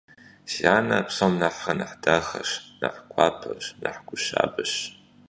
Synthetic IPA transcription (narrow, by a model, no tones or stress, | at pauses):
ɕaːnɐpsomnaħːɐnɨħdaxɐʃnɨħkʷʰaːpʰɐɕnɨħɡʷʊʃa̰ːbɨɕ